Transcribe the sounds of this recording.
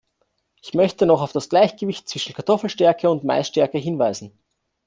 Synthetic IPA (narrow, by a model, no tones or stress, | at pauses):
ʔɪçmœçtənɔχaʊfd̥asɡ̥laɪçɡ̥əvɪçt̚t͡sv̥ɪʃn̩kʰaɐtʰɔfl̩ʃtɛɐkʰəʊntma̰ɪsʃtɛɐkəɦɪnvaɪzn̩